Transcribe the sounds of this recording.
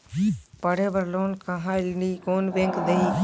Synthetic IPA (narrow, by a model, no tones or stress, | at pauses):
pəɽeːbəɾloːnkaɦãːɪlniːkoːnʋẽŋkd̪eiː